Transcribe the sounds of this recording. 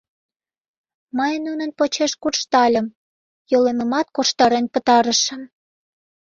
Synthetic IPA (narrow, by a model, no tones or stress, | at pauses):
məjnunənpot͡ɕeʃkurʃt̪ɑlʲəm | joleməmɑt̪̚koʃt̪ɑɾenpət̪ɑɾə̆ʃə̆m